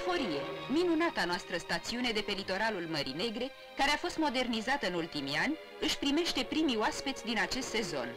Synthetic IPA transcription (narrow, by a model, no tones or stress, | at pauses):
fo̞ɾije̞minunat̪anoast̪ɾəst̪at̪siune̞d̪e̞pe̞lit̪o̞ɾalulməɾḭne̞ɡɾe̞ | kaɾe̞afo̞st̪mo̞d̪e̞rnizat̪əɨnult̪imianʲ | ɨʃpɾime̞ʃt̪e̞pɾimioaspet̪sʲd̪inat͡ʃe̞st̪se̞zo̞̰n